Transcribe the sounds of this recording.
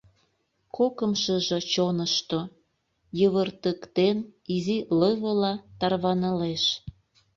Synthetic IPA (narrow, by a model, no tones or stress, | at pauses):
kokəmʃəʒet͡ɕonəʃt̪o | jəβərt̪əkt̪eniziləβəlɑt̪ɑrβɑnəleʃ